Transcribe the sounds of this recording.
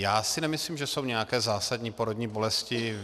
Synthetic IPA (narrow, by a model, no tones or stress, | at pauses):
jaːsɪnɛmɪsliːmʒɛso̞wɲɛjakɛːzaːsadɲiːpoɾodɲiːbo̞lɛscɪ